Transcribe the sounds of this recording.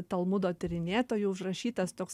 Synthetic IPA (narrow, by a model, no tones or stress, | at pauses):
t̪ɐlˠmʊd̪oːt̪ʲɪɾʲɪnʲeːt̪oːjuʊʃɾɐʃʲiːt̪ɐst̪oːks